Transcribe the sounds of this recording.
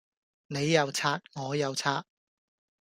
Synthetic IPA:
ne˨˧jːɐ˨˧wt͡sʰaː˧˥t̚ŋɔː˨˧jɐ˨˧wt͡sʰaː˧t̚

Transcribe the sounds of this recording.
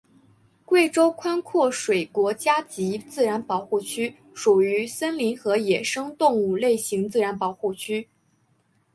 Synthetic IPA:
kwe˥˩ɪʈ͡ʂo˥ʊkʰwa˥nkʰwɔ˥˩ʂwe˨˩ɪkwɔ˧˥t͡ɕja˥t͡ɕi˧˥t͡sɹ̩˥˩ɻa˧˥npɑ˨˩ʊxu˥˩t͡ɕʰy˥ | ʂu˨˩y˧˥sə˥nli˧˥nxɤ˧˥jɛ˨˩ʂɤ˥ŋt̪ʊ˥˧ŋu˥˧le˥˩ɪɕi˧˥ŋt͡sɹ̩˥˩ɻa˧˥npɑ˨˩ʊxu˥˩t͡ɕʰy˥

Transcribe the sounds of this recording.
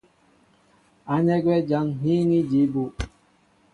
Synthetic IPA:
a˨ɲɛ˦ɡwɛ˦d͡ʒa˦ŋɦi˦ŋi˦d͡ʒi˨˦bu˦

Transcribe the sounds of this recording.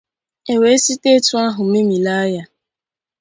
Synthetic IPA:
e˨we˨˦e˦si˦te˦tʊ˦a˦ɦʊ˨me˦mi˨la˦ja˦

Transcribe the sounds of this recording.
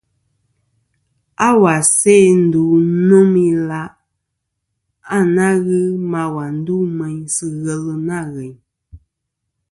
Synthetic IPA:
a˦wa˨sɛ˦˨n̩˨˦du˨˦nɔ˦mi˦la˦ʔ | a˦˨na˦ɣɨ˦ma˦wa˨n̩˦du˦mɛ˨ɲsɨ˦ɣɛ˦lɨ˦na˦˨ɣɛ˨ɲ

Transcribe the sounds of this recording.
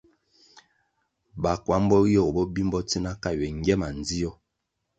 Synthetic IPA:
ba˨kwa˨˦m˦bɔ˦ɣjɔ˦˨bɔ˦bi˦mbɔ˦ti˦na˦ka˦˨ɥɛ˨ŋ˦ɡɛ˦ma˨n˨d͡zi˦ɔ˦

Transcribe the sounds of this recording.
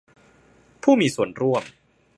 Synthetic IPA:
pʰuː˥˩miː˧su˨˩ənɾu˥˩əm

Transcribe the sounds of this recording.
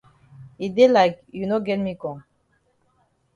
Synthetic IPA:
i˨d̪e˦la˨kju˨no˦ɡɛ˦nmi˦kɔ̃˨ŋ

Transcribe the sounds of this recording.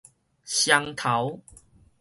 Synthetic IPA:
ɕja˧ŋt̪ʰa˨˦w

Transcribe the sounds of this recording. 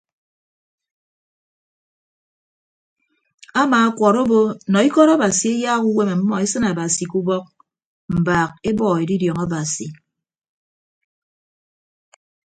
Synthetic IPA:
a˦maː˨a˦kʷɔ˨ɾo˦bo˦nɔ˨i˦kɔ˦ɾa˦ba˨si˨e˦jaː˦ku˦we˦me˨m̩˦mɔ˦e˦sɨ˦na˨ba˨si˨ku˦bɔ˦k̚ | m̩˨baː˨k̚e˦bɔː˦e˨di˦djɔ˨ŋa˦ba˨si˨

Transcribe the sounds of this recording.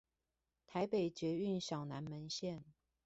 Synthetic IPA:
t̪ʰa˧˥ɪpe˨˩ɪt͡ɕɥɛ˧˥y˥˩nɕjɑ˨˩ʊna˧˥nmə˧˥nɕjɛ˥˩˨n

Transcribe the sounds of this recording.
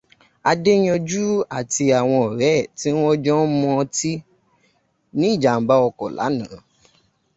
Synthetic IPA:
a˧de˦j̃ɔ̃˧d͡ʒu˦a˨ti˧a˨w̃ɔ̃˧ɔ˨ɾɛ˨˦˨ti˦ɔ̃˦d͡ʒɔ̃˦mɔ̃˧ti˦ | nĩ˦˨d͡ʒa˨m̩˨˦ba˦ɔ˧kɔ˨la̰˨˦nã˨˦˨

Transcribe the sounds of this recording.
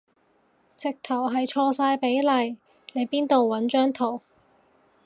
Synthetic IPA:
t͡sɪ˨k̚t̪ʰɐ˨˩wɦɐ˨jt͡ʃʰɔː˧saː˧jpe˨˥jlɐ˨j | le˨˧jpiː˥nt̪o˨wːɐ˨˥nt͡ʃœː˥ŋt̪ʰo˨˩w

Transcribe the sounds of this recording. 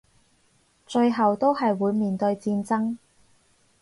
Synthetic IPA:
t͡ʃɵ˧ɥɦɐ˨wt̪o˥wɦɐ˨jwuː˨˧jmiː˨nt̪ɵ˧ɥt͡siː˧nt͡sɐ˥ŋ

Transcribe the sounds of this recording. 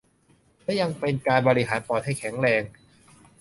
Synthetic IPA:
lɛ˥˩ja˧ŋpe˧nkaː˧nbɔː˧ɾi˦˧ɦaː˩˦npɔː˨˩t̪̚ha˥˩jkʰɛ˩˦ŋɾɛː˧ŋ

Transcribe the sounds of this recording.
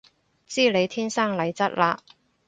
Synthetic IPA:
t͡siː˥le˨˧jt̪ʰiː˥nsaː˥ŋlɐ˨˧jt͡sɐ˥t̚laː˧

